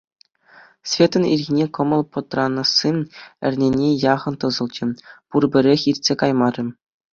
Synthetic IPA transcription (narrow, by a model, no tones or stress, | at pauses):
sʲvʲet̪ɤ̆nʲḭrʲɣʲinʲekɤ̆mɤ̆lˠpɤ̆t̪rɑnɤ̆sːinɘ̰̆rʲnʲenʲejɑʁɤ̆nt̪ɤ̆zɤ̆lˠt͡ɕɘ̆purbʲɘ̆ɾʲexʲirʲtʲsʲekɑjmɑɾʲɘ̆m